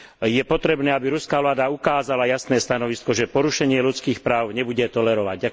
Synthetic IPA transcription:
jɛpɔt̪ɾɛbnɛːabiɾuskaːʋlaːd̪aukaːzalajasnɛːst̪anɔʋiskɔʒɛpɔɾuʃɛɲɪɛlut͡skiːxpɾaːʊɲɛbuɟɛt̪ɔlɛɾɔʋaɟɟa

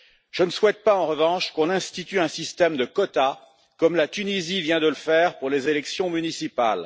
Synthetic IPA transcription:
ʒ̥ənəswɛt̪̚paɑ̃ʁəvɑ̃ʃkɔ̃nɛ̃st̪it̪yɛ̃sist̪ɛmd̪əkɔt̪a | kɔmlat̪ynizivjɛ̃d̪ələfɛʁpuʁlezelɛksjɔ̃mynisipa̰l

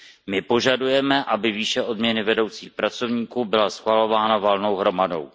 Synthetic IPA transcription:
mɪpo̞ʒadujɛmɛʔabɪviːʃɛʔo̞dmɲɛnɪvɛdo̞wt͡siːxpɾat͡so̞vɲiːkuːbɪlasxvalo̞vaːnavalno̞wɦɾo̞mado̞̰w

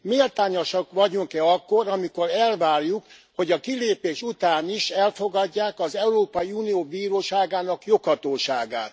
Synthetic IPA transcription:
miːlt̪aːɲo̞ʃɒkʋɒɟuŋkɛɒkːo̞ɾɒmiko̞ɾɛlʋaːrjukho̞ɟɒkileːpeːʃut̪aːniʃɛlfoɡɒɟːaːkɒzɛuɾoːpɒiuːnijoːbiːɾoːʃaːɡaːnɒkjo̞khɒt̪oːʃaːɡa̰ːt̪

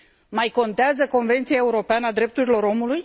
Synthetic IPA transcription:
majko̞nt̪eazəko̞nve̞nt̪sijae̞uɾo̞peanəad̪ɾe̞p̚t̪uɾilo̞ɾo̞muluj

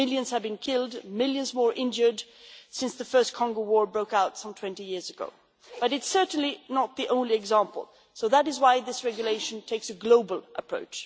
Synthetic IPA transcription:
ɪlˠjɨ̃nz̥ɨvbɨ̃nkʰɪlˠdmɪlˠjɨ̃nzmɔɹʔɪ̃nd͡ʒə˞dsɪ̃nsðɨfɜ˞skʰɑ̃ŋɡoʊwɔɹbɹoʊkaʊtsʌ̃mtʰw̥ɛ̃ntijɪɹzɨɡo̰ʊ | b̥ʌɾɨtsɜ˞ʔn̩linət̪̚ðiʔõʊ̃nliɨɡzæ̃mpl̩ˠ | soʊðəɾɨzwaɪðɪsɹɛɡjɨleɪʃɨ̃n̩tʰeɪksɨɡloʊbəl̩ˠʔəpʰɹ̥o̰ʊt͡ʃ

